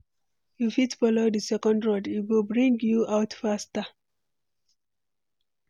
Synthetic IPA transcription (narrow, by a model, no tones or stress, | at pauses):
jufitfɔlodəsɛkɔ̃ndɹɔditwilbɹĩŋɡjuaʊtfasta